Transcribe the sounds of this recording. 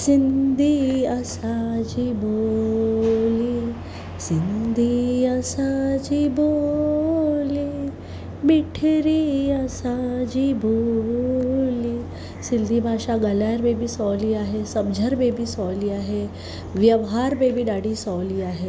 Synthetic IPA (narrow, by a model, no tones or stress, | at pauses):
sind̪ʱiəsad͡ʑibo | li | sind̪ʱiəsad͡ʒibo | li | biʈʰɾiəsad͡ʑibʱo | li | sind̪ʱibʱaɕaɡəlajəɾbebiːsɔliːaɦesəbd͡ʑʱəɾbebisɔliaɦe | ʋjəʋɦaɾbebiːɖaɽisɔliaɦe